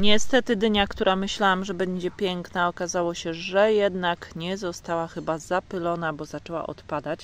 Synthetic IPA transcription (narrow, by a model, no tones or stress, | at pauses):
ɲɛst̪ɛt̪ɘd̪ɲakt̪uɾʔamɘɕlawamʐɛbɛɲd͡ʑɛpʲjɛŋknaɔkazawɔɕɛʐɛjɛd̪nakɲɛzɔst̪awaxɘbazapɘlɔnabɔzat͡ʂɛwa̰ʔɔ̰t̪pad̪at͡ɕ